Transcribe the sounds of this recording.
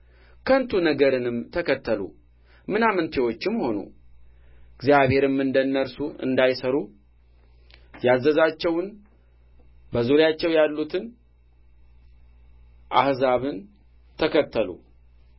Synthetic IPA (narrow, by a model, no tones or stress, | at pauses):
kʰənt̪ʰunəɡəɾɨnɨmt̪ʰəkət̪ʰːəlṵ | mɨnamɨnt̪ʰewo̞t͡ʃːɪmːho̞nṵ | ɨɡzjaβhe̞ɾɨmːɨnd̪ənːəɾsuɨ̰nd̪ajsəɾu | jazːəzat͡ʃːɛwn | bəzuɾjat͡ʃːɛwjalːut̪ʰɨn | ʔahzaβɨn | t̪ʰəkʰət̪ʰːəlṵ